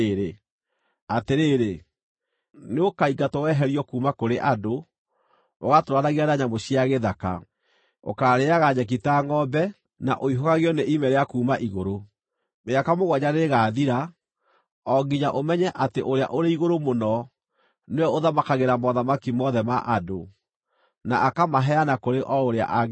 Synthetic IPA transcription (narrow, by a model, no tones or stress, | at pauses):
ɾe | ateɾeɾe | neokaiɡatɔwɛɦɛɾiɔkuːmakoɾeʔado | o̰ɣatoɾwaɾaɣianaɲamoɕiaɣeðaka̰ | o̰kaɾeaɣaɲɛk̬itaŋɔbɛ | na̰ʔoiɦoɣaɣeɔneʔimɛɾeakuːmaʔiɣoɾo | meakamoɣwaɲaneɣaðiɾa | ɔɡiɲaʔomɛɲɛʔateʔoɾea̰ʔoɾeiɣoɾomonɔ | neɔoðamakaɣeɾamɔðamakimɔðɛmaʔado | na̰ʔakamaɦɛanakoɾeʔɔoɾea̰ʔa